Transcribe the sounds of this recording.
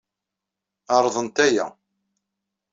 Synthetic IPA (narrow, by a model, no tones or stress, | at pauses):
ɑɾˤðˤənt̪æjæ̰